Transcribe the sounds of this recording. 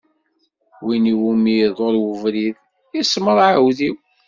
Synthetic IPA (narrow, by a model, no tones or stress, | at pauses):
winiwumiðˤoɾˤwəvɾið | isməɾˤʕəwðiw